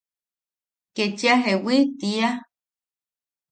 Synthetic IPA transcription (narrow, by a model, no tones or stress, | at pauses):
ket͡ʃiaɦewit̪ia